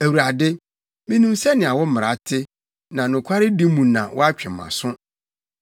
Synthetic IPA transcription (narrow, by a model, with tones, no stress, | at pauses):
æ˨wu˨ɾa˨dɪ˦ | mĩ˦nũ˦msɛ˦nɪ̃˨a˨wɔ˦m̩˦mɪ˨ɾa˨˦tʰɪ˦ | nã˨nʊ̃˨kʷʰa˦ɾɪ˦di˦mũ˨nã˨wɔ˦a˦t͡ɕᶣɛ˨mã̰˨sʊ̃˦